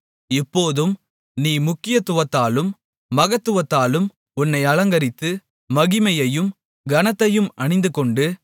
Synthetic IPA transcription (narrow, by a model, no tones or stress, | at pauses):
ɪpːoːðɯm | niːmʊkːɪjɐt̪ːʊʋɐt̪ːaːlɯmː | ɐɣɐt̪ːɯʋɐt̪ːaːlɯm | ʊnːɐɪɐlɐŋɡɐɾɪt̪ːɯ | mɐɣɪmɐjɐjɯm | ɡɐnɐt̪ːɐjɯmʔɐɳɪnd̪ɯkɔɳɖɯ